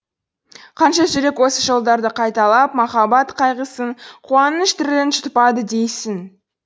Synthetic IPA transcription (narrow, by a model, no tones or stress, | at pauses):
qʰɑnʃɑʒʏɾe̞kwo̞səʒo̞lˠd̪ɑɾd̪əqʰɑjt̪ɑlˠɑp̚mɑχɑbɑt̪qʰɑjʁəsəɴqʰuɑnəʃt̪ʰɪɾd̪enʃʊ̥t̪pɑd̪əd̪e̞jsɪŋ